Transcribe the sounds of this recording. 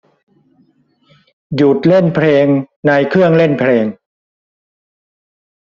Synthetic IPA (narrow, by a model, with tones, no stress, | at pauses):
ju˨˩t̪̚le˥˩npʰleː˧ŋ | na˧jkʰɯ˥˩əŋle˥˩npʰleː˧ŋ